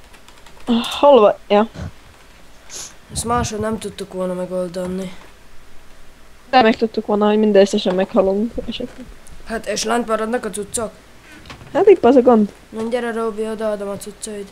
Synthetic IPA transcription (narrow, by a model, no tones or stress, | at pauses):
holʋɑjɑ | smaːʃolnɛmt̪ut̪ːukʋonɐmɛɡold̪onːi | d̪ɛmɛk̚t̪ut̪ːukʋolnɑhoɟmind̪ɛøsɛʃɛmːɛkhɒlːoŋkɛʃɛt̪lɛɡhat̪eʃlant̪̚pɑɾɑd̪nakot̪t͡sut̪sok | hat̪ik̚pɑzoɡond̪ | nonʲd̪ʲɛɾɛɾoːbioːd̪ɑːd̪omat̪sut̪sojt̪